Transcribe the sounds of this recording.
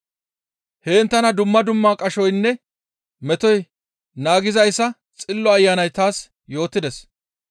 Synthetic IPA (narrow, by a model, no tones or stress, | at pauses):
heːnt̪ːɐnɐd̪ʊmːɐd̪ʊmːaːkʼɐʃɔjnːɛ | mɛt̪ɔj | naːɡɪzɐjsːɐ | t͡sʼɪlːɔɐjːaːnɐjt̪aːs | jo̞ːt̪ːɪd̪ɛs